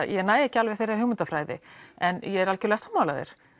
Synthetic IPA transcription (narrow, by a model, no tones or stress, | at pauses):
jɛnaːjɛhcɪalvɛ̥θejɾaʏɣmʏnt̪afɾaːjðɪ̰ɛnjɛɛɾalcʏlɛɣasaːmːawlaðḛɾ̥